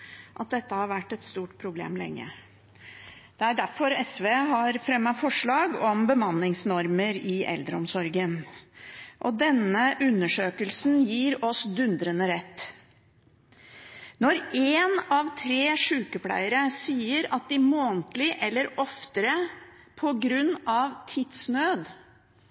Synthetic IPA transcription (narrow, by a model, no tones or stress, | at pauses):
ʔɑt̪̚d̪ɛt̪ːəhɑɾʋæʈːɛt̪st̪uːʈpʰɾʊblḛːmlɛ̰ŋːə̰ | d̪̥ɛæɖæɾfɔɾɛsʋeːɦɑɾfɾɛmːɑfɔʂɭɑːɡɔmbəmɑnːɪŋsnɔɾməɾɪʔɛ̰ld̪ɾəɔmsɔɾɡən | ʔɔd̪ɛnəʔʉnːəʂøːkəlsnjiːɾɔsd̪ʉnd̪ɾənəɾɛt̪ː | nɔɾeːnɑʋt̪ʰɾeːʂʉːkəpʰlæ̰ɪəɾəsiːəɾɑt̪̚d̪ɪmoːnt̪lɪʔɛlːəɾɔft̪əɾə | pʰɔɡɾʉnːɑʋt̪ʰid̪snøːd̪